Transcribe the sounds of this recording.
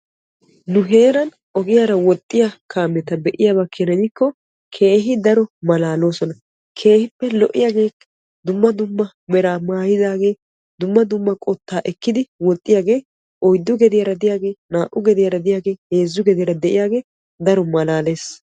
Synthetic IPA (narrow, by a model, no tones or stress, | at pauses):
nʊɦe̞ːɾɐn | ʔɔɡɪjaɾɐwɔt̪ʼːɪjakʰaːmːɛt̪ɐbɛʔɪjaːbɐkʰɛnɐnɪkːɔ | kʰe̞ːɦɪd̪ɐɾɔmɐlaːlo̞ːsɔnɐ | kʰe̞ːhɪpːɛlɔʔːɪjaːɡe̞ː | d̪ʊmːɐd̪ʊmːɐ | mɛɾaːmaːjɪzaːɡe̞ː | d̪ʊmːɐd̪ʊmːɐkʼɔt̪ːaːʔɛkːɪd̪ɪwɔt̪ʼːɪjaːɡe̞ː | ʔɔjd̪ːʊɡɛd̪ɪjɐɾɐd̪ɪjaːɡe̞ːnaːʔʊɡɛd̪ɪjɐɾɐd̪ɪjaːɡe̞ːheːzːʊɡɛd̪ɪjɐɾɐd̪ɛʔɪjaːɡe̞ː | d̪ɐɾɔmɐlaːle̞ːs